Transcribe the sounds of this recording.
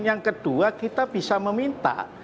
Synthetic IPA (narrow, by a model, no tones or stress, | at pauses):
njaŋkəd̥uakit̪ab̥isaməmint̪a̰